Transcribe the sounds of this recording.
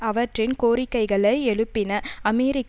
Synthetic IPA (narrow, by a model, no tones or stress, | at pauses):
ɐʋɐʈrɪnkoːɾɪkːɐɪɣɐɭɐɪɛɭɯpːɪnɐɐmɛɾɪk